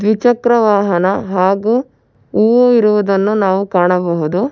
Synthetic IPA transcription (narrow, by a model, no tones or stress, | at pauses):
d̪ʋit͡ʃɐkɾɐʋaːɦɐnɐɦaːɡu | uːʋuiɾuʋud̪ɐnːunaːʋukaːɳɐbɐɦud̪u